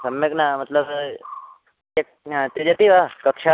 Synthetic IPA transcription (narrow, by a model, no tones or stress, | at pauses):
sɐmjeknamɐt̪ləb | ek̚ | t̪ed͡ʒət̪iʋakəkʃa